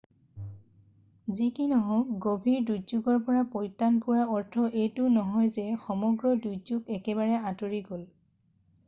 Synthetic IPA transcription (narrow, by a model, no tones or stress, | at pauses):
zikinɔɦɔ̃kɡobʱiɹduzuɡɔɹpɔɹapɔjtːanpuɹaɔɹtʰɔʔejtʊnɔɦɔjzɛxɔmɔɡɹɔdujzuɡɛkɛbaɹɛãtoɹiɡol